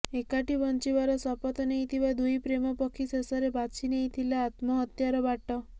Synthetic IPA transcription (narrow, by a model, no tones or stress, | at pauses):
ekaʈibɔnt͡ʃiʋaɾɔsɔpɔt̪ɔneĩt̪ʰiʋad̪ujpɾemɔpɔkʰisesɔɾebat͡ʃʰineɦĩt̪ʰilaːt̪mɔɦɔt̪jaɾɔbaʈɔ